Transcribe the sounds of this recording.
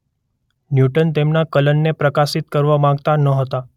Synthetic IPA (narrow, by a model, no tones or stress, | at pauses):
njuʈənt̪emnakələnːepɾəkasit̪kəɾʋamãŋɡt̪anəɦət̪a